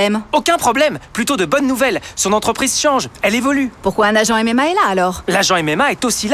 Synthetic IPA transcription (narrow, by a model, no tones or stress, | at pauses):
ɛmokʲɛ̃pχɔblɛmplyt̪od̪əbɔnːuvɛlsɔ̃nɑ̃t̪χəpχizʃɑ̃ʒɛlevɔlypuʁkwaɛ̃naʒɑ̃ɛmɛmaɛlaːlɔːʁlaʒɑ̃ɛmɛmaɛt̪osila